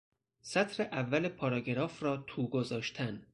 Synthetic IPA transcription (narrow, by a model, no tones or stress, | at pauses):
sæt̪ʰɾeʔævːælepʰɒːɾɒːɡeɾɒːfrɒːt̪ʰuːɡozɒːʃt̪ʰæn